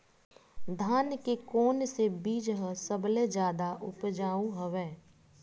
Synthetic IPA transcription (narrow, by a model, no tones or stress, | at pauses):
d̪ʱaːnkekoːnsebiːd͡ʒɦəsəbled͡ʒjaːd̪aʔʊpd͡ʒaːũɦəʋɛː